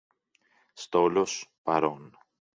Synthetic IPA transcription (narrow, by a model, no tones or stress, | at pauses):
st̪o̞lo̞spɐɾo̞n